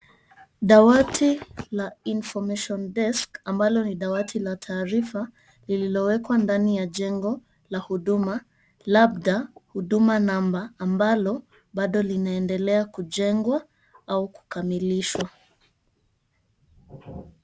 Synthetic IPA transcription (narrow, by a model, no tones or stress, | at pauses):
ɗawatʰilainfɔmɛʃɔndɛskambalɔniɗawatʰilatʰaːɾifa | lililɔwɛkwandanijaʄɛŋɡɔ | lahuɗuma | lab̚ɗahuɗumanambaːmbalɔ | ɓaɗɔlinaɛndɛlɛakuʄɛŋɡwa | auku̥kamiliʃwa